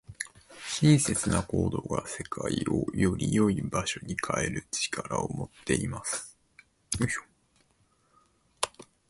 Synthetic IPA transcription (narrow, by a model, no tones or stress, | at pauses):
ɕĩɰse̞t͡sɨnako̞ːd̪o̞ɡase̞kʰaiojo̞ɾʲijoibaɕo̞ɲ̟ikʰae̞ɾɯ̟t͡ɕi̥kʰaɾaomo̞t̪ːe̞imasɨ̥